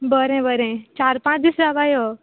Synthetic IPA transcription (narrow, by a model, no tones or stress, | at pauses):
bəɾɛ̃bəɾɛ̃t͡ʃaːɾpãːt͡ʃd̪isɾaʋaːjo